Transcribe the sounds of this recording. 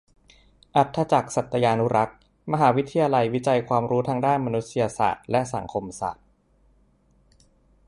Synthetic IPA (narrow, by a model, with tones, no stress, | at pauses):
ʔa˨˩t̪ʰːa˧t͡ɕa˨˩k̚sa˨˩t̪ʰːa˧jaː˧nːu˦˥ɾa˦˥k̚ | ma˧ɦaː˩˦wi˦˥t̪ʰːi˧jaː˧la˧jwi˦˥t͡ɕa˧jkʰwaː˧mɾuː˦˥t̪ʰaː˧ŋdaː˥˩nma˧nu˦˥t̪̚si˧ja˧sa̰ː˨˩t̪̚lɛ˦˥sa̰˩˦ŋkʰo˧msa̰ː˨˩t̪̚